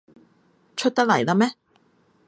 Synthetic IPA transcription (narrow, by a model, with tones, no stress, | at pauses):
t͡ʃʰɵ˥t̚t̪ɐ˥lɐ˨˩jlaː˥mɛː˥